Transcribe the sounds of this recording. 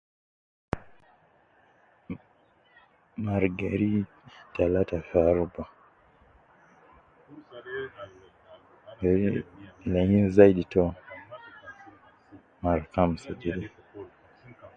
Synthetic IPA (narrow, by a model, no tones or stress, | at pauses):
maɾɡaɾi | talatafaɾuba | ɡɛɾilɛŋɡinzaiɗitɔ | maɾkam̩sad͡ʒiɗi